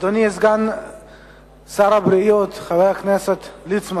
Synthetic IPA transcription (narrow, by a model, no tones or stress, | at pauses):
d̪oniesɡan | saɾabɾijot̪χavejakneset̪lit͡sma